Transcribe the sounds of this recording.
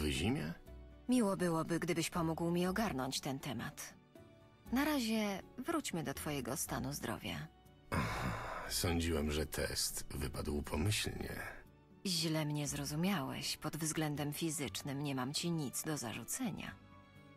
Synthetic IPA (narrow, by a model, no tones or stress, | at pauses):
vɘʑimʲjɛ̰mʲiwɔbɘwɔbɘɡd̪ɘbɘɕpɔmuɡwmʲiɔɡaɾnɔɲt͡ɕt̪ɛnt̪ɛma̰t̪ | naɾaʑɛvɾut͡ɕmɘd̪ɔt̪fɔjɛɡɔst̪a̰nuzd̪ɾɔ̰vʲja̰ | ahasɔɲd͡ʑiwɛmʐɛt̪ʰɛ̰st̪vɘpad̪wpʰɔmɘɕlɲɛ̰ | ʑlɛmɲɛzɾɔzumʲjawɛ̰ɕpɔd̪vzɡlɛnd̪ɛmfʲizɘt͡ʂnɘmɲɛmamt͡ɕiɲit̪zd̪ɔza̰ʐut̪sɛɲa̰